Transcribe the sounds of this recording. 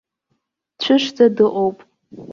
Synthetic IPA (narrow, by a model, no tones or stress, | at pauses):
t͡ɕʷʰɨʂd͡zadɨʔʼowpʼ